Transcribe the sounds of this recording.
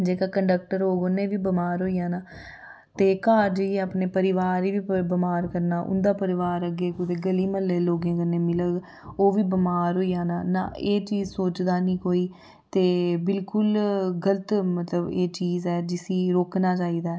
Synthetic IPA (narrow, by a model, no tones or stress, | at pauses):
d͡ʒeːkaːkəɳɖək̚ʈəɾoːɡoːnẽːʋiːbəmaːɾɦoːijãːnaː | t̪eːkaːɾd͡ʒeeapneːpəɾɪʋaːɾiːʋiːbəmaːɾkəɾnaːʔʊ̰nd̪aːpəɾɪʋaːɾəɡeːkʊt̪eːɡəliːməleːloːɡẽːkəɾnẽːmɪləɡ | oːʋiːbəmaːɾɦoːiːjãːnaːna̰ːeːt͡ʃiːzsoːt͡ʃd̪aːnĩːkoːiː | t̪eːbɪlkʊlɡələt̪mət̪ləbeːt͡ʃiːzɛːd͡ʒɪsiːɾoːknaːt͡ʃaːiːd̪aːɛ